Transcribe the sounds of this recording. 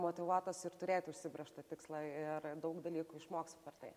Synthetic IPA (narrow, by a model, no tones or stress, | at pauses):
moːt̪ʲɪʋuɔt̪oːsɪɾt̪ʊɾʲeːt̪ʲʊʃʲsʲɪbʲɾʲɛʃt̪ɐt̪ʲɪkslˠɑɪrd̪ɐʊkd̪ɐlʲiːkʊɪʃmoːkstʲpʲɛrt̪ɐɪ